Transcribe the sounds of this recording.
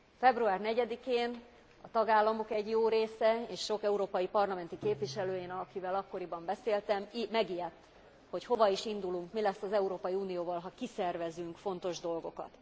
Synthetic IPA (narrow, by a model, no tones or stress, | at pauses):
fɛbruaːrnɛɟɛd̪ikeːn | ɒt̪ɒɡaːlːɒmo̞kɛɟjoːɾeːsɛeːʃʃo̞kɛuɾoːpɒjipɒrlɒmɛn̪t̪ikeːpʋiʃɛløːjeːnɒkivɛlɒkːo̞ɾibɒmbɛseːlt̪ɛmmɛɡijɛt̪ː | ho̞cho̞vɒiʃind̪uluŋkmilɛsːɒzɛuɾoːpɒjiuːnijoːvɒlɦɒkisɛrvɛzyŋkfo̞n̪t̪o̞ʒd̪o̞lɡo̞kɒ̰t̪